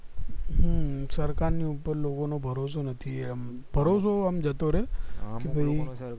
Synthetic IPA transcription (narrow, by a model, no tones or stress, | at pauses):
ɦəsəɾkaɾniupəɾlokonobʱəɾosonət̪ʰiam | bʱəɾosoamd͡ʒət̪oɾekibʱəi